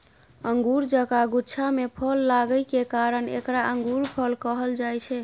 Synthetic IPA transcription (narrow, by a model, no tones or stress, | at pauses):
əŋɡuɾd͡ʒəkaɡutːt͡ʃʰamepʰəlːaɡəɪkekaɾənḛkɾaʔəŋɡuɾpʰəlkəɦəld͡ʒajt͡ʃʰɛ